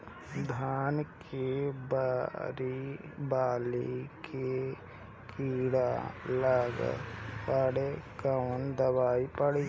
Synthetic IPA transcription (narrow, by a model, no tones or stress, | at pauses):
d̪ʱaːnkebaɾibaːlikʰe | kʰiːɽa̰ləɡ̰pəɽekənd̪əbaːipəɽi